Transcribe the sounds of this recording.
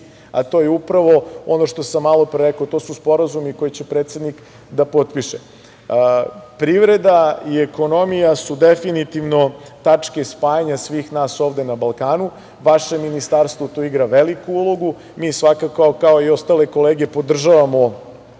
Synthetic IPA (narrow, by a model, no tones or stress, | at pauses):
a̰t̪o̞jeupɾaʋo̞o̞no̞ʃt̪o̞samːalˠo̞pɾeɾekot̪o̞ːsuspo̞ɾazumiko̞jet͡ɕe̞pɾet̪sed̪nik | d̪apo̞t̪piʃe | pɾiʋɾe̞d̪aiekono̞mijasud̪efinit̪iʋno̞t̪at͡ʂke̞spaːjaɲasʋiːxnaːso̞ːʋd̪e̞nabalˠkaːnu | ʋaʃeminist̪aɾst̪ʋot̪oiɡɾaʋelikuulˠo̞ɡu | miːsʋakakaokaoio̞st̪ale̞ko̞leːɡe̞po̞d̪r̩ʒaʋamo̞